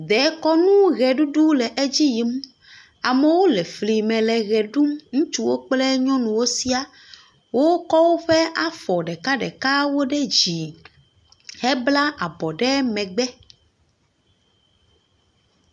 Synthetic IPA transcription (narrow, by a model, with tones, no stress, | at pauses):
d̪ɛ˨˦kɔ˦nũ˦ɣɛ˨ɖu˦ɖu˦lɛ˨ʔe˦d͡ʑi˦ji˦m˦ | a˨mɛ˨wo˦lɛ˨fli˨mɛ̃˨lɛ˨ɣɛ˨ɖu˦mŋũ˦t͡ʃu˦wo˦k͡plɛ˦ɲɔ̃˦nũ˨wo˦si˦a˨ | wo˦kɔ˦wo˦ɸɛ˦ʔa˦fɔ˨ɖɛ˨ka˦ɖɛ̰˨ka˦wo˦ɖɛ˦d͡ʑi˨ | hɛ˦bla˦a˨bɔ˨ɖɛ˦mɛ̃˨ɡ͡bɛ˦